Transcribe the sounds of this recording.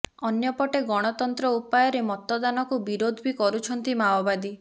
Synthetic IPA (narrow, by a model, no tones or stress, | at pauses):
ɔnjɔpɔʈeɡɔɽ̃ɔt̪ɔnt̪ɾɔupajɔɾemɔt̪ɔd̪anɔkubiɾod̪ʱbikɔɾut͡ʃʰɔnt̪imawbad̪i